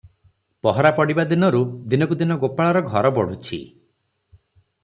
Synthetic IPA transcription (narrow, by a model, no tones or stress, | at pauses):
pɔɦɔɾapɔɽibad̪inɔɾud̪inɔkud̪inɔɡopaɭaɾɔɡʱɔɾɔbɔɽ̤ut͡ʃʰḭ